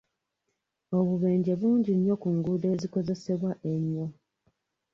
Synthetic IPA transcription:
o̞βuβeːɲɟe̞βuːɲɟiɲːo̞kuŋɡudeːziko̞ze̞se̞βwaʔe̞ɲːo

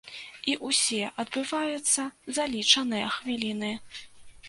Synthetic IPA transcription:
iʔusʲɛʔɐd̪̚bɨvajut̪sːɐzalʲit͡ʂɐnɨjɐxvʲilʲinɨ

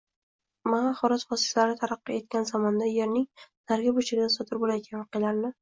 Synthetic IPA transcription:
maχɒɾɒzvɒsi̥t̪laɾɪt̪ʰaɾɑqːɨe̞t̪̚kʲanzamɒnd̪aje̞ɾnɪŋz̥aɾɡʲabot͡ʃʰɪɾɪd̪ʲasɒd̪ɪɾbolajkʲʰanvɑqʰɨjlaɾnɪ

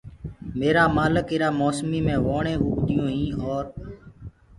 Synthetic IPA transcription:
meːɾaːmaːləkɪɾaːmoːsmiːmẽːʋoːɳẽːuːkt̪ɪjõːɦĩːoːɾ

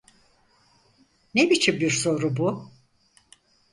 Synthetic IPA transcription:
nebit͡ʃʰimbiɾso̞ɾubu

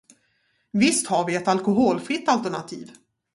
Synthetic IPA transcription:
vɪst̪haɾvɪɛt̪alkʊɦoːlfɾɪt̪ːalt̪æɳa̰t̪ʰḭːv

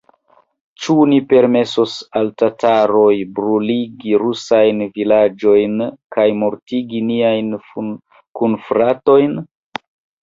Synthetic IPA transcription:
t͡ʃunipe̞ɾme̞sosaltataɾo̞jbɾuliɡiɾusajnvilad͡ʒo̞jnkʰajmoɾtiɡiniajn | kunfɾato̞jn

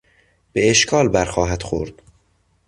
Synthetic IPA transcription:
b̥eeʃkʰɒːlbæɾxɒːɦæd̪̥xo̰ɾd̪̥

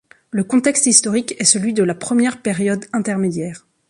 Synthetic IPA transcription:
ləkɔ̃t̪ɛkst̪ist̪ɔʁikɛsəlɥid̪əlapχəmjɛʁpeʁjɔd̪ɛ̃t̪ɛʁmed̪jɛːʁ

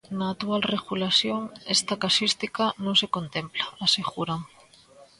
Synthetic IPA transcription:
naːt̪ualreɣulasjoŋest̪akasist̪ikanõŋsekont̪emplaːseɣuɾaŋ

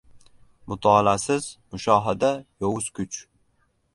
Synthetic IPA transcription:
mʊt̪ʰɑlasɪzmʊʃɒːɦad̪ajowʊz̥kʲʰʊt͡ʃ

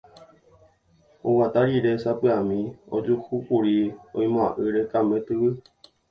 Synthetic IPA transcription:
owat̪aɾiɾesapɨamĩo̰d͡ʒuhukuɾio̰ĩmõã̰ʔɨɾekamẽt̪ɨʋɨ

